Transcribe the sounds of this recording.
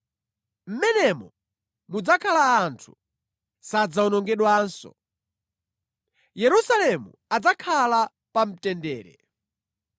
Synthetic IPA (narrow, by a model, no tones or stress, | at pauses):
m̩mɛnɛmɔ | mud͡zakʰalaːntʰu̥ | sad͡zaunɔŋɡɛɗwaːnsɔ̰ | jɛɾusalɛmṵ | ad͡zakʰala | pam̩tɛndɛːɾɛ̰